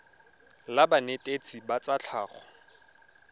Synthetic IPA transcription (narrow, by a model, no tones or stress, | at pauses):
labanetʼet͡sʰʼibat͡sʼat͡ɬʰaːχɔ̰